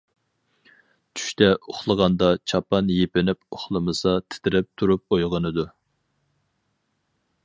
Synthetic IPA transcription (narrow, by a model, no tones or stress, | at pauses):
t͡ʃʰy̥ʃt̪ʰɛʔoχlˠəʁɑnd̪ɑt͡ʃʰɑpɑnjepɪnɪpoχlˠɨmɨsɑt̪ʰɪ̥t̪ʰɪɾɛp̚t̪ʰuɾup̚ojʁənɨd̪u